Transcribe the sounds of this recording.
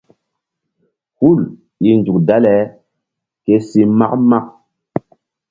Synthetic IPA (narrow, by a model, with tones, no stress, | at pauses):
hu˦˨l | i˨nd͡ʒu˨kda˦lɛ˨˦ | ke˦si˦ma̰˦kma˦k